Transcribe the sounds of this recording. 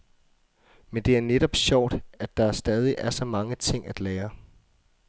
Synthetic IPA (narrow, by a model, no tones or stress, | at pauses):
mend̥e̝æɐneɾ̥ɒ̽b̥ɕɒʊ̰d̥æd̥ɑ̈ɐsd̥ɛːð̞ˠiʔæɐsɒ̽mɑ̈ŋət͡sʰe̝ŋ̰æd̥lɛːɐ